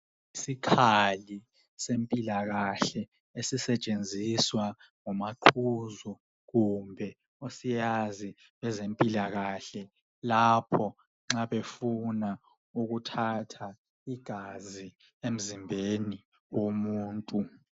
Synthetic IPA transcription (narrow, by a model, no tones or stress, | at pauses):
isikʰali | sempʼilaɣaɬɛ | esisɛt͡ʃʼend͡zʱiswa | ŋɔmaǃʰuzɔ | ɣumbʱɛ | osijazi | βɛzempʼilaɣaɬɛ | lapʰɔ | ŋ͡ǁaβefuna | uɣutʰatʰa | iɡ̥ʱazi | em̩zimbʱeni | womuːntʼu